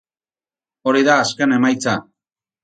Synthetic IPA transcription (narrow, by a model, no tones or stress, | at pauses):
o̞ɾiðaːskene̞majt͡sa